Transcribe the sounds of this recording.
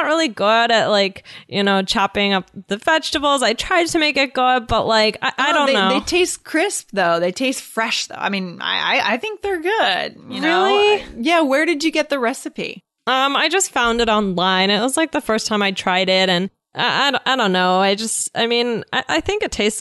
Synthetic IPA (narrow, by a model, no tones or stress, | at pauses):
ət̚ɹɪlˠiɡʊɾɨʔ̚laɪkjɨnoʊt͡ʃʰɑpɪ̃ŋʌp̚ðɨvɛt͡ʃtɨvl̩ˠzaɪtʰɹ̥aɪd̚tʰɨmeɪkɨt̚ɡ̥ʊd̚b̥ʌʔlaɪka̰ɪʔaɪɾõʊ̃nːoʊeɪtʰeɪstkʰɹ̥ɪsp̚ðoʊðeɪtʰeɪstfɹɛʃðo̰ʊʔa̰ɪmĩna̰ɪa̰ɪʔa̰ɪθɪ̃ŋk̚ðə˞ɡʊd̥̚ɪlˠijæwə˞ɾɨd͡ʒɨɡɛt̪̚ðɨɹɛsɨpḭ | ʌ̃maɪd͡ʒʌstfãʊ̃ndɨɾɑ̃nlãɪ̃nɨt̚wʌzlaɪk̚ðəfɜ˞stʰãɪ̃maɪtʰɹ̥aɪɾɪɾɨ̃n | ʔa̰ʔa̰ɪ̃aɪɾõʊ̃nːoʊaɪd͡ʒʌstaɪmĩna̰ɪʔaɪθɪ̃ŋkɨtʰeɪst